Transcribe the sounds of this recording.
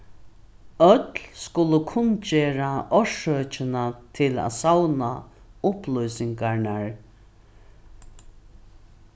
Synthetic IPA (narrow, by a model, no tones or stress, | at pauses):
œt̪lskʊləkʰʊnt͡ʃeːɹaɔʂøːt͡ʃɪnat̪ʰɪla̰ːsawna | ʊplujsɪŋkaɳaɹ